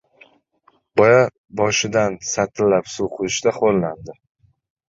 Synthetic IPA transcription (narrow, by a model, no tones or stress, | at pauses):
bɒja | bɒʃɪd̪ansat̪ʰɪlːapsuqʰʊɾɪʃd̪aχolˠnand̪ɪ